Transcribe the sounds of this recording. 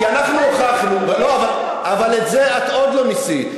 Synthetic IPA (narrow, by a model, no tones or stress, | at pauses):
ianaχnuoχaχnuveloaval | avaletzeat̪od̪lo̞misi